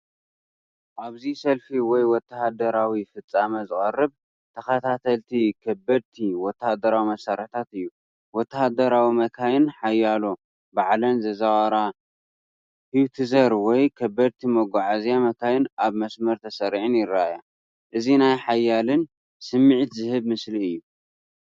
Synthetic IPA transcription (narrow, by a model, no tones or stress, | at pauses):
ʔaβzisɐlfiwɔjwɔt̪ːɐhad̪ɐɾawifɨt͡sʼːamɐzɨkʼɐrɨb | t̪ʰɐxɐt̪ʰat̪ʰɐlt̪ʰikʰɐbːɐd̪̚t̪ʰiwɔt̪ʰːahad̪ɐɾawimɐsɐɾɐt̪ʰat̪ɨjːu | wɔt̪ːahad̪ɐɾawimɐkʰajɪnħajːalo | baʕlɐnzɐzawaɾa | hiwt̪ʰɨzɐɾwɔjkʰɐbːɐd̪̚t̪ʰimɐɡʷaʕazjamɐkʰajɪnaβmɐsmɐɾt̪ʰɐsɐɾʕɨnjɪɾaja | ʔɨzinajħajːalɨn | sɨmːɨʕt̪zɨhɨβmɨsliɨjːu